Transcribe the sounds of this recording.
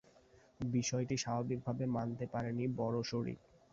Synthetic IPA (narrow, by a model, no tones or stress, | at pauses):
biʃɔeʈiʃabʱabik̚bʱabemant̪epaɾenibɔɾoʃoɾḭk̪